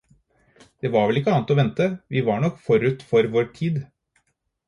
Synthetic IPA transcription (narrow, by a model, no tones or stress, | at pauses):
d̪̥eɛːʋɑɾʋɛlɪkːəɑːnt̪ɔʋɛnt̪əʋɪʋɑɳɔkːfɔɾʉt̪fɔɾʋoːʈʰiːd̪